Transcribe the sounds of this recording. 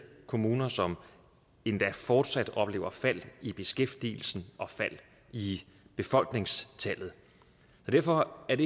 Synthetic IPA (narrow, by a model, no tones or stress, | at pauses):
kʰo̝muːnɐsɒ̽m | e̝nd̥æfɒːd̥sæd̥ɒ̽b̥le̝ːʊɐfæl̰ib̥e̝sɡ̥efd̥ḭːl̩sn̩ʔɒ̽fæl̰ | i | b̥e̝fɒ̽l̰ɡ̥ne̝ŋst͡sʰæl̰ð̩ˠ | sɒd̥æɐfɒ̽æɐd̥e̝